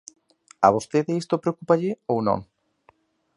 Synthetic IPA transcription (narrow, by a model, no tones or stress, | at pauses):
ɐ̰β̞ost̪eðeist̪opɾeokupaʎɪownõ̰ŋ